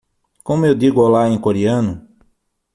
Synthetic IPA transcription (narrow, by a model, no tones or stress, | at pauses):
kõmʊewd̪iɡʊawlaẽj̃koɾiɐ̃nʊ